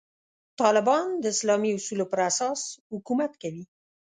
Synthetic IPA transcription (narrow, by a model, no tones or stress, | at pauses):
t̪ɑlɪbɑnd̪əɪslɑmiʊsulopəɾasɑshʊkumat̪kawi